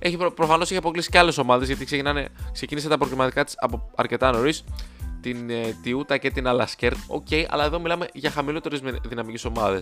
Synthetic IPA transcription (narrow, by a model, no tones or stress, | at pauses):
eçipɾofɐnoseçiɐpo̞klisi̥ceɐle̞so̞mɐðe̞zʝɐt̪ikse̞cinɐnekse̞ciniset̪ɐpɾoɣlimɐt̪ikɐt̪i̥sɐ̰poɐɾce̞t̪ɐno̞ɾist̪int̪iut̪ɐce̞t̪inɐlɐsceɾt̪o̞̰ce̞jʔɐ̰lɐeðo̞milɐme̞ʝɐxɐmilo̞t̪e̞ɾezðinɐmiciso̞mɐðe̞s